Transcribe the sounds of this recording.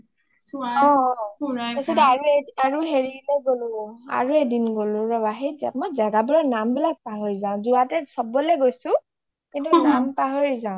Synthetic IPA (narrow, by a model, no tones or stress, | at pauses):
sɔ̃ | tɛsɛtɛaɹueaɹuɦeɹileɡolʊa̰ɹuedinɡolʊ̃ɹɔbaɦizamɔjzaɡabuɹanambilak̚paɦoɹizãʊ̃zuatɛsɔbɔlɛɡojsʊ̃ | kintunampaɦoɹizaʊ̃